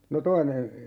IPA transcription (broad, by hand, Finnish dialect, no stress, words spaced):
no toine